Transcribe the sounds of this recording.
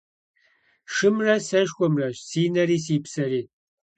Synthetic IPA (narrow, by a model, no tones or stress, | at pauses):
ʂɨmrɐsɐʃxʷɔmrɐɕsiːnɐɾiːsiːpsɐɾiː